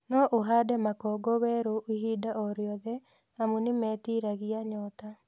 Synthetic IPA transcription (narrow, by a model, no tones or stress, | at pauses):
nɔʔoɦadɛmakɔɡɔwɛɾoʔiɦidaʔɔɾjɔðɛ | amunimɛːtiɾaɣiaɲɔta